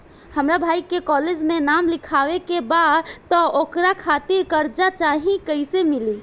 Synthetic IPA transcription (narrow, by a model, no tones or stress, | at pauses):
həmɾabʱajkekɔled͡ʒmenamlikʰaʋekebad̪t̪ɔokɾakʰat̪iɾkəɾd͡ʒat͡ʃaɦĩkəɪsemili